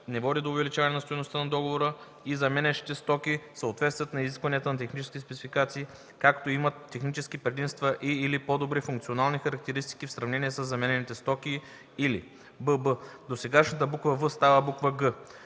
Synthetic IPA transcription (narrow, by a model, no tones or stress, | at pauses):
nɛvɔd̪ʲid̪oːvɛlit͡ʃavɐnɛnɐst̪ojnost̪ənɐd̪ɔɡovoɾə | izɐmɛnɛʃi̥t̪ɛst̪ɔkʲisəot̪vɛt̪st̪vjət̪nɐiziskvɐniət̪ənɐt̪ɛxnit͡ʃɛskʲiɛspɛt̪sifikat̪siː | kakt̪oimɐt̪ːɛxnit͡ʃɛskipɾɛd̪imst̪vəʔiːlipod̪obɾifũŋkt̪sionalˠnixɐɾɐk̚t̪ɛɾist̪i̥kʲifsɾɐvnɛniɛsəzːɐmɛnɛnit̪ɛst̪ɔkʲiː | lḭ | bəbəd̪osɛɡaʃnət̪̬əbukvəvəst̪avəbukvəɡə